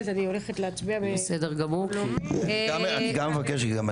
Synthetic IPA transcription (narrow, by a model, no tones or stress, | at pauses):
zanioleχetleat͡sbiabesedeʁɡamu | aaniɡamːevakeʃɡam